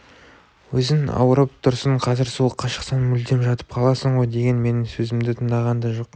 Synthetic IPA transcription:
wɵzɪŋɑ̰wəɾəp̚t̪ʰʊɾsəɴqʰɑzɪɾsuəqʰːɑʃə̥qsɑnmʏld̪e̞mʒɑt̪ə̥p̚qʰɑlˠɑsəɴʁo̞jd̪e̞ɡʲe̞nme̞nɪŋsɵzɪmd̪ɪt̪ʰəɴd̪ɑʁɑnd̪ɑʒoq

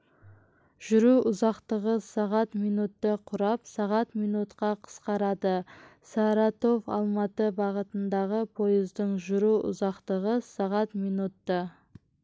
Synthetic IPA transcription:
ʒ̥ʏɾuʔʊzɑqt̪əʁəsɑʁɑt̪mijnut̪ːəqʰʊɾɑpsɑʁɑt̪mijnut̪qɑqʰə̥sqɑɾɑd̪əsɑɾɑt̪o̞vɑ̰lˠmɑt̪əbɑʁət̪ənd̪ɑʁəpʰo̞jəzd̪əɴʒʊɾuʔʊ̰zɑqt̪əʁəsɑʁɑt̪mijnut̪ːə

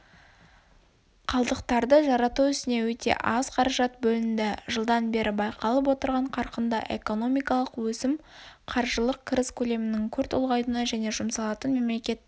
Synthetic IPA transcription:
qʰɑlˠd̪əqt̪ɑɾd̪əʒɑɾɑt̪uʏst̪ɪne̞wɵt̪e̞̰ʔɑzqʰɑɾɑʒɑt̪̚bɵlɪnd̪ɪʒəlˠd̪ɑnbe̞ɾʔɪbɑjqʰɑlˠəp̬wo̞t̪əɾʁɑɴqʰɑɾqənd̪ɑʔe̞̰ko̞no̞mijkɑlˠəqwɵsɪm | qʰɑɾʒəlˠəq̚kʲʰɪɾɪskʲʰɵle̞mɪnɪŋkʲʰɵɾt̪ʰʊlˠʁɑjt̪ənɑʒæne̞ʒʊmsɑlˠɑt̪ənme̞mle̞kʲe̞t̪̚

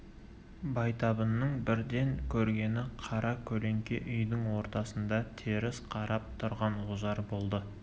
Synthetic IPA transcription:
bɑjt̪ɑbənːəɴbɪɾd̪e̞ŋkʲʰɵɾɡʲe̞nɪqʰɑɾɑkʲʰɵle̞ŋkʲe̞ʔʏjd̪ɪŋwo̞ɾt̪ɑsənd̪ɑt̪ʰeɾɪsqʰɑɾɑp̚t̪ʰʊɾʁɑnlʊzɑɾbo̞lˠd̪ə

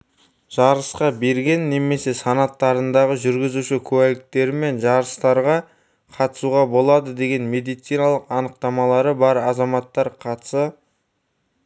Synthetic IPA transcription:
ʒ̥ɑɾəsqɑbe̞ɾɡʲe̞nːe̞me̞se̞sɑnɑt̪ːɑɾənd̪ɑʁəʒʏɾɡʲɪzuʃɪkʲʰʉwælɪk̚t̪e̞ɾɪme̞nʒɑɾəst̪ɑɾʁɑ | qʰɑt̪ə̥suʁɑbo̞lˠɑd̪əd̪e̞ɡʲe̞nme̞d̪ijt̪sijnɑlˠəqɑnəq̚t̪ɑmɑlˠɑɾəbɑɾɑzɑmɑt̪ːɑɾqʰɑt̪ə̥sɑ

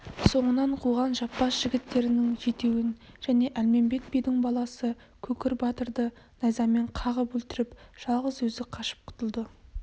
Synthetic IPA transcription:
so̞ɴənɑɴqʰuʁɑnʒɑpːɑsʒ̥ɪɡʲɪt̪ːe̞ɾɪnɪŋʒe̞t̪e̞wɪnʒ̥æne̞ʔælme̞mbe̞k̪̚bijd̪ɪŋbɑlˠɑsə | kʲʰɵkʲɪɾbɑt̪əɾd̪ə | nɑjzɑme̞ɴqʰɑʁəpɵlt̪ɪɾɪpʒ̥ɑlˠʁəzwɵzɪqʰɑʃə̥p̚qʰʊ̥t̪əlˠd̪ə

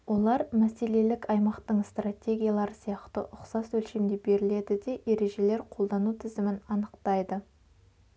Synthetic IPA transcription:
wo̞lˠɑɾmæse̞le̞lɪkɑjmɑqt̪əɴst̪rat̪ʲe̞ɡʲijalˠɑɾsijɑqt̪ə̰ʔʊqsɑswɵlʃemd̪ebe̞ɾɪle̞d̪ɪd̪e̞ʔe̞ɾe̞ʒe̞le̞ɾqʰo̞lˠd̪ɑnut̪ʰɪzɪmɪnɑnəqt̪ɑjd̪ə

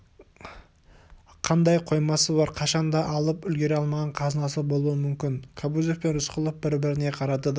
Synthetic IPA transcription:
qʰɑnd̪ɑjqʰo̞jmɑsəbɑɾqʰɑʃɑnd̪ɑʔɑlˠəpʏlɡʲe̞ɾeɑlˠmɑʁɑɴqʰɑzənɑsəbo̞lˠuwəmʏmkʲɪnkʰabuzefpenɾʏsqʰəlˠəp̚bɪɾbɪɾɪne̞qʰɑɾɑd̪əd̪

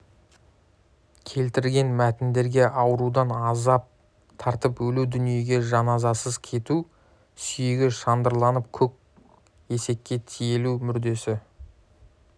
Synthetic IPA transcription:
kʲʰe̞lt̪ɪɾɡʲe̞nmæt̪ɪnd̪e̞ɾɡʲe̞ʔɑwəɾud̪ɑnɑzɑp̚ | t̪ʰɑɾt̪əpwɵlud̪ʏnije̞ɡʲe̞ʒɑnɑzɑsəzkʲʰe̞t̪u | sʏjeɡʲɪʃɑnd̪əɾlˠɑnəp̚kʲʰɵk̚ʲ | e̞se̞k̚ʲkʲːe̞t̪ʰije̞lumʏɾd̪e̞sɪ

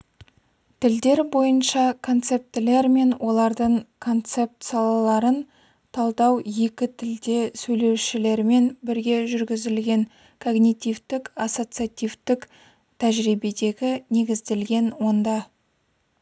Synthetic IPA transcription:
t̪ʰɪld̪e̞ɾbo̞jənʃɑkʰo̞nt̪se̞p̚t̪ɪle̞ɾme̞nwʔo̞lˠɑɾd̪əɴkʰo̞nt̪se̞p̚t̪sɨjɑlˠɑlˠɑɾən | t̪ʰɑlˠd̪ɑwje̞kʲɪt̪ʰɪld̪e̞sɵjle̞wʃɪle̞ɾme̞nbɪɾɡʲe̞ʒʏɾɡʲɪzɪlɡʲe̞ŋ | kʰo̞ɡnijt̪ʲijvt̪ɪkaso̞t̪sɨjat̪ʲijvt̪ɪk | t̪ʰæʒɾijbe̞d̪e̞ɡʲɪne̞ɡʲɪzd̪e̞lɡʲe̞nwo̞nd̪ɑ

